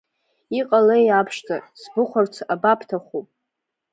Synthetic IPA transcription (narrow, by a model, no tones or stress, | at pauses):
iqʼalejapʰʂtʰʼasbɨχʷart͡sʰabapʰtʰaχupʼ